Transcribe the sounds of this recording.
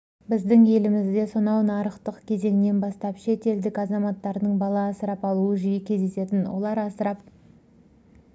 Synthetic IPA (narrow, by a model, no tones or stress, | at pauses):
bɪzd̪ɪŋje̞lɪmɪzd̪e̞sonɑwnɑɾəqt̪əqkʲʰe̞ze̞ŋne̞nbɑst̪ɑpʃe̞t̪e̞ld̪ɪkɑzɑmɑt̪ːɑɾnəɴbɑlˠɑːsəɾɑpɑlˠuəʒʏjəkʲʰe̞zd̪e̞se̞t̪ɪnwo̰lˠɑɾɑsəɾɑp̚